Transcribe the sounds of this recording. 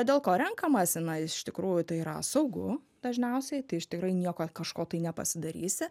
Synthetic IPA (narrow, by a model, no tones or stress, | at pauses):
d̪ʲeːlˠkoːɾʲɛŋkɐmɐsʲɪnɐɪɪʃt̪ʲɪkɾuːjʊt̪ɐɪiɾɐ̰sɐʊɡʊ̰ | d̪ɐʒʲnʲɛʊsʲɛɪt̪ɐɪɪʃt̪ʲɪkɾɐɪnʲiɛkoːkɐʃkoːt̪ɐɪnʲɛpɐ̰sʲɪd̪ɐɾʲiːsʲɪ